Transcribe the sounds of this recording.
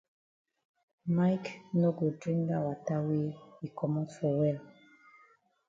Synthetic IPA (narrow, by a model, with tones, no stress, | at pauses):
majkno˦ɡo˨dɹĩ˦ŋda˨wata˦we˦hi˨kʰɔ˨mɔtfɔ˨wɛ˦l